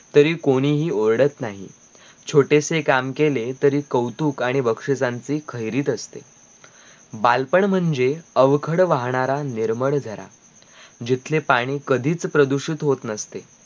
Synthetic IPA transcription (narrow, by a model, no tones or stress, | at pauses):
t̪əɾiːkoɽ̃iːɦiːoɾɽət̪naɦḭ | t͡ɕʰoʈesekamkelet̪əɾiːkəwt̪uːkaɽ̃iʋəkʂet͡sãnt͡siːkʰəjɾiːt̪əst̪e | balpəɳm̤əɳd͡zeəʋkʰəɽʋaɦɳaɾaniɾməɭd͡zʱəɾa̰ | d͡ʑit̪ʰlepaɽ̃iːkəd̪ʱiːt͡spɾəd̪uɕiːt̪ɦot̪nəst̪e